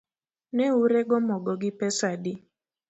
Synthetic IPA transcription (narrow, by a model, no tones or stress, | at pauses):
nɛuɾeɡɔmɔɡɔɡɪpɛsadi